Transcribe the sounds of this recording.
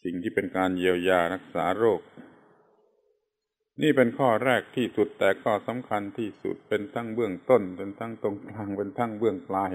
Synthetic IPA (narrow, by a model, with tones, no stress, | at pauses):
si˨˩ŋt̪ʰiː˥˩pe˧nkaː˧njiː˧əwjaː˧ɾa˦˥˩k̚saː˩˦ɾoː˥˩k̚ | niː˥˩pe˧nkʰɔː˥˩ɾɛː˥˩k̚t̪ʰiː˥˩su˨˩t̪ːɛː˨˩kʰɔː˥˩sa˩˦mkʰa˧nt̪ʰiː˥˩sṵ˨˩t̪̚pe˧nt̪ʰa˦˥˩ŋbɯ˥˩əŋt̪o˥˩npe˧nt̪ʰa˦˥˩ŋt̪o˧ŋklaː˧˩ŋpe˧nt̪ʰa˦˥˩ŋbɯ˥˩əŋklaː˧j